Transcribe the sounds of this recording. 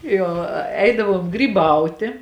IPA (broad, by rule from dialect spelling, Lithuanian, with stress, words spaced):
ˈjoː ˈɛɪdɐʋoːm ɡrʲiːˈbɐʊtʲeː